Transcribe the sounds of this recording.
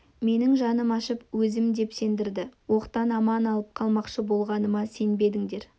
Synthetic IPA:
me̞nɪŋʒɑnəmɑʃəpwɵzɪmd̪e̞pse̞nd̪ɪɾd̪ɪwo̞qt̪ɑnɑmɑnɑlˠəp̚qʰɑlˠmɑqʃəbo̞lˠʁɑnəmɑse̞nbe̞d̪ɪŋd̪e̞ɾ

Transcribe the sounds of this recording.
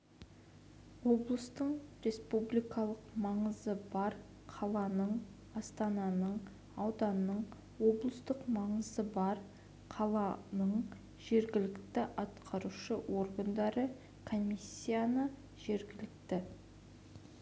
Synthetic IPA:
wo̞blˠəst̪əɴɾe̞spublijkɑlˠəqmɑɴəzəbɑɾ | qʰɑlˠɑnəɴ | ɑst̪ɑnɑnəɴ | ɑwd̪ɑnəɴ | wo̞blˠəst̪əqmɑɴəzəbɑɾ | qʰɑlˠɑnəɴ | ʒ̥e̞ɾɡʲɪlɪkt̪ɪʔɑt̪qʰɑɾuʃəwo̞ɾɡənd̪ɑɾə | kʰo̞mʲisʲːijanə | ʒ̥e̞ɾɡʲɪlɪkt̪ɪ

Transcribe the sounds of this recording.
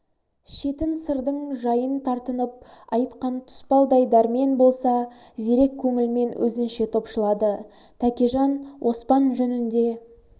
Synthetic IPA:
ʃe̞t̪ɪnsəɾd̪əɴʒɑjənt̪ʰɑɾt̪ənəp̚ɑjt̪qɑnt̪ʰʊ̥spɑlˠd̪ɑjd̪ɑɾmenbo̞lˠsɑze̞ɾe̞kʲʰːɵŋɪlme̞nwʔɵ̰zɪnʃe̞t̪ʰo̞pʃəlˠɑd̪ət̪ʰækʲeʒɑnwʔo̞spɑnʒɵnɪnd̪e̞

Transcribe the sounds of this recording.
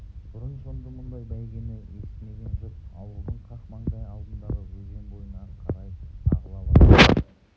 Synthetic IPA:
b̪ʰʊɾənsond̪əmʊnd̪ɑjbæjɡʲenɪesmeɡ̪ʲenʒopɑwəɾd̪əɴqʰɑqmɑɴd̪ɑjɑlˠd̪ənd̪ɑʁəwɵɾɡʲe̞nbo̞jənɑqʰɑɾɑjɑ̰ʁəlˠɑlˠəɑ

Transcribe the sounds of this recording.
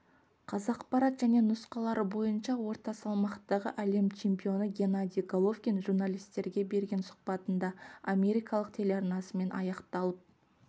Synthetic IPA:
qʰɑzɑqpɑɾɑt̪ʒ̥æne̞nʊsqɑlˠɑɾəbo̞jənʃɑwo̞ɾt̪ɑsɑlˠmɑqt̪ːɑʁəʔæle̞mt͡ʃʰe̞mpʲijo̞nəɡʲe̞nad̪ʲijɡolˠofkʲenʒurnalʲijst̪e̞ɾɡʲe̞be̞ɾɡʲe̞nsʊ̥q̚pɑt̪ənd̪ɑamʲe̞ɾijkɑlˠəqt̪ʰe̞leɑɾnɑsəme̞nʔɑ̰jɑqt̪ɑlˠəp̚

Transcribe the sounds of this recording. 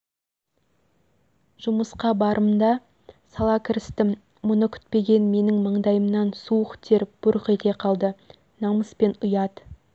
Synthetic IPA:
ʒ̥ʊməsqɑbɑɾʔəmd̪ɑ | sɑlˠɑkʲʰɪɾɪst̪ɪ | mʊnəkʲʰʏ̥t̪̚pe̞ɡʲe̞nme̞nɪŋməɴd̪ɑjəmnɑnsuəqt̪ʰe̞ɾb̥ʊɾqit̪ʲe̞qʰɑlˠd̪ə | nɑməspe̞nʊjɑd̪

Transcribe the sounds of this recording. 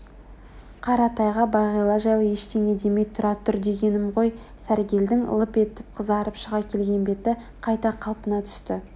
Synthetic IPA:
qʰɑɾɑt̪ɑjʁɑbɑʁijlˠɑʒɑjlˠəje̞ʃt̪e̞ŋe̞d̪e̞mejt̪ʰʊɾɑt̪ʏɾd̪e̞ɡʲe̞nɪmʁo̞j | sæɾɡʲe̞ld̪ɪŋə̰lˠəpe̞t̪ɪp̚qʰəzɑɾəpʃəʁɑkʲʰe̞lɡʲe̞nbe̞t̪ɪ | qʰɑjt̪ɑqʰɑlˠpənɑt̪ʰʏ̥st̪ɪ

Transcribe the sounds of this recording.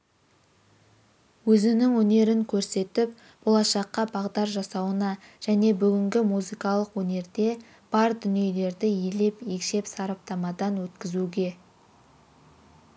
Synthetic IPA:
wɵzɪnɪŋwɵne̞ɾɪŋkʲʰɵɾse̞t̪ɪp | b̥o̞lˠɑʃɑqːɑbɑʁd̪ɑɾʒɑsɑwənɑʒ̥æne̞bʏɡʲɪŋɡʲɪmuzijkɑlˠəqwɵne̞ɾd̪e̞ | b̥ɑɾd̪ʏnije̞le̞ɾd̪ɪje̞le̞pje̞kʃe̞psɑɾɑp̚t̪ɑmɑd̪ɑnwɵt̪kʲɪzuɡʲe̞

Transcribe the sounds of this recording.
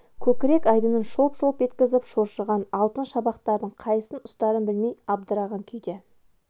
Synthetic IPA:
kʲʰɵkʲɪɾe̞kɑjd̪ənənʃopʃopʒe̞t̪kʲɪzɪpʃoɾʃəʁɑnɑlˠt̪ənʃɑbɑqt̪ɑɾd̪əɴqʰɑjsənʊst̪ɑɾənbɪlmejɑb̚d̪əɾɑʁɑŋkʲʰejd̪e

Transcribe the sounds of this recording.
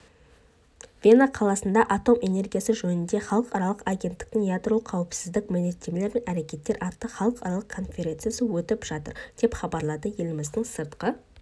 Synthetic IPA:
vʲe̞naqʰɑlˠɑsənd̪ɑʔat̪o̞mʔe̞ne̞rɡʲijasəʒɵnɪnd̪e̞χɑlˠəqɑɾɑlˠəqɑɡʲe̞nt̪ːɪ̥k̚t̪ɪŋjad̪rolˠəqʰːɑwɪpsɪzd̪ɪk̚mɪne̞t̪ːe̞mele̞ɾme̞næɾe̞kʲe̞t̪ːe̞ɾʔɑt̪ːəχɑlˠəqɑɾɑlˠəqkʰo̞nfʲe̞ɾʲe̞nt̪sɨjasəwɵt̪ɪpʒ̥ɑt̪ə̰ɾd̪̥e̞pχɑbɑɾlˠɑd̪əje̞lɪmɪzd̪əɴsəɾt̪qə

